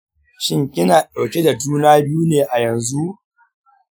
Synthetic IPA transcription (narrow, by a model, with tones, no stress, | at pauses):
ʃɪ˦ŋkʲʼɪ˦naː˨ɗa˨wkʲe˦da˨d͡ʒuː˦naː˦bɪ˦juː˦neː˨ʔa˨jɐ˨nzu˦ʔ